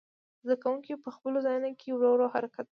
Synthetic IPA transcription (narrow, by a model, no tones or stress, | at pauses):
zd̪akawuŋkipəxpəlozɑjunokʰewɾoɾoɦaɾakat̪̚